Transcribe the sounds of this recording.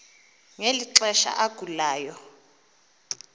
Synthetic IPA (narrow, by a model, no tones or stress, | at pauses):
ŋeliǁɛʃa̰ʔaɡ̥ʱulaːjɔ